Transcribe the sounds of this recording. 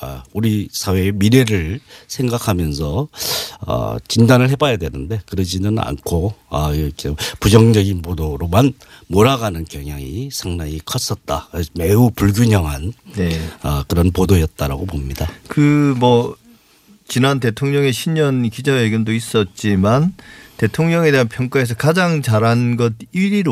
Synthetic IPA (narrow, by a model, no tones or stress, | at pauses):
ʌuɾisʰawe̞miɾe̞ɾɯɭsʰe̞ŋɡakʰamjʌnsʰʌ | ʌ̰t͡ɕindanɯɭɦe̞bajadwe̞nɯnde̞kɯɾʌd͡ʑinɯna̰nkʰoʌʌkʰepud͡ʑʌŋd͡ʑʌɡinpodoɾoman | moɾaɡanɯnkjʌŋjaŋisʰaŋnaɲikʰʌs͈ʌt̚t͈ame̞upuɭɡjuɲʌŋɦanne̞ʌkɯɾʌnpodojʌt̚t͈aɾa̰ɡopomɲidakɯmʌ | t͡ɕinante̞tʰoŋɲʌŋe̞ɕʰimɲʌnkid͡ʑʌeɡjʌndois͈ʌt̚t͡ɕ͈imante̞tʰoŋɲʌŋe̞de̞ɦanpʰjʌŋk͈ae̞s̬ʰʌkad͡ʑaŋt͡ɕaɾɦanɡʌd̚iɾiɾo